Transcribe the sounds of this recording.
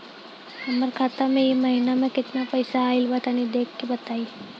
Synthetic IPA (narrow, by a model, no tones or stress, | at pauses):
ɐməɾkʰaːt̪amẽjemɐɦɪnamẽkɪt̪napɐɪsaːɪlbət̪anid̪eːkʰːebɐt̪aːiː